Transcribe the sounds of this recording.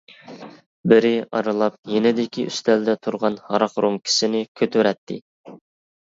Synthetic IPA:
bɪɾɪɑ̰ɾɨlˠɑp̚jenɪd̪ɪkʲʰiʔy̰st̪ʰɛld̪ɛt̪ʰuɾʁɑnhɑɾɑqɾomkʲʰi̥sɪnɪkʲʰøt̪ʰøɾɛt̪ʰːɪ

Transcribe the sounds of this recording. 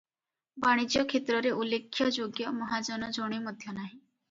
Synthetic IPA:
baɽ̃id͡ʒjɔkʰet̪ɾɔɾeʔulekʰːjɔd͡ʒoɡjɔmɔɦad͡ʒɔnɔd͡ʒɔɽ̃iməd̪ʱjɔnaɦi

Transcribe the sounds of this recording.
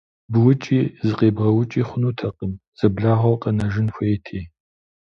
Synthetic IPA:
bɨwʊt͡ʃʼiːzɨqʼeːbʁɐwʊt͡ʃʼiːχʷʊnuːtʰɐqʼəmz̥ɐbɮaːʁʷɐqʼɐnɐʒɪnfʷɐɛtʰeː

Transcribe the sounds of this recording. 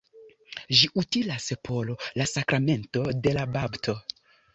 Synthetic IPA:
ʒiʔutilaspʰo̞lo̞lasakɾame̞nto̞de̞lababtʰo̞

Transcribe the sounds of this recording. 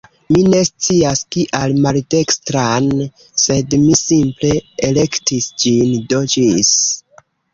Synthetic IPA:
mine̞st͡siaskiʔalmalde̞kstɾan | se̞dmisimple̞ele̞ktisd͡ʒindod͡ʒis

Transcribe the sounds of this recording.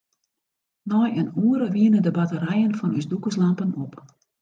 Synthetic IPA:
nɔjənuəɾəʋiənədəbatəɾɛjənfɔnysdukəslampənop

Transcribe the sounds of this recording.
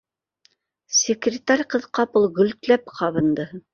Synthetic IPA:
sʲɪkrʲɪt̪aɾʲqɤðqɑpɤlˠɡɵ̆lt̪læp̚qʰɑβɤ̆nd̪ɤ

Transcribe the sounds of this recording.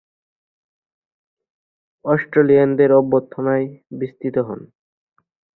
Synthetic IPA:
ɔsʈɾeliand̪eɾɔbːot̪ʰːonajbist̪ʰit̪oɦɔ̰n

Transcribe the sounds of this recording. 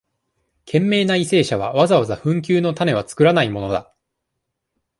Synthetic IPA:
kʰẽ̞mːe̞ːnaise̞ːɕaβ̞a̰βazaβazaɸɯ̟̃ŋk̬ʲɨːno̞t̪ane̞βat͡sɨ̥kɯ̟ɾanaimo̞no̞d̪a̰

